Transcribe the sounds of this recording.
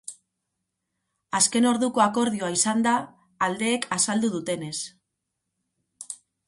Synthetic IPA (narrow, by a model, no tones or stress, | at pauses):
aske̞no̞ɾðuko̞ako̞ɾðioaisand̪aː | ld̪e̞ːkʰasald̪uðut̪e̞ne̞s